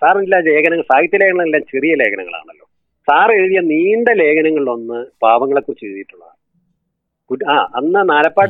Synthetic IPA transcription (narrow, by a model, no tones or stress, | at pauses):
saːrɐnilːaːle̞ːkʰɐnɐŋːɐɭsaːɡjɐt̪ːjɐle̞ːkʰɐnːɐɐlːaːmt͡ɕerijɐle̞ːkʰɐnɐ̰ŋːɐ̰ɭa̰ːɳɐlːo̞̰ː | saːreɻðijɐniːɳɖele̞ːkɐnɐŋːɐɭʋɐnːɨpaːʋɐŋːɐɭe̞kːurit͡ɕːeɻðijiʈːuɭːɐða̰ːr | kuaːɐnːɐnaːlɐpːaː